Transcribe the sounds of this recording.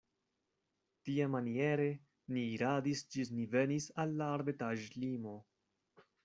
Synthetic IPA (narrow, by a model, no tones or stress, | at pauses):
tiamanie̞ɾe̞ | niːɾadisd͡ʒinive̞nisalːaːɾbetaʒlimo̞